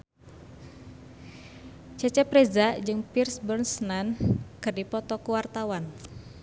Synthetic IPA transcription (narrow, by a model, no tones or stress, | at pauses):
t͡ʃɛt͡ʃɛpɾezad͡ʒɨŋpirsbɔrnsnankɨrdipɔt̪ɔkuwart̪awan